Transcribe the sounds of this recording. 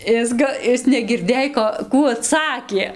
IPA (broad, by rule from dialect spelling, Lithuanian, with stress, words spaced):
ˈɪs ɡɐ ˈɪs nʲɛɡʲɪrʲˈdʲeːj ˈkoː ˈkuː ɐˈtsɑːkʲeː